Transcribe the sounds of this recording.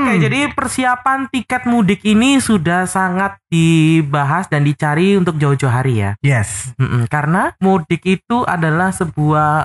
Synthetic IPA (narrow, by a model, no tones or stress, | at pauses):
kajad͡ʒadipərsiapant̪ikɛt̪̚mudɪkinisudahsaŋat̪̚d̥ibaɦasdandit͡ʃaɾiunt̪ʊk̚d͡ʒaud͡ʒoɦaɾija̰jɛsm̩ʔm̩kaɾənamudɪkit̪uʔa̰dalahsəbua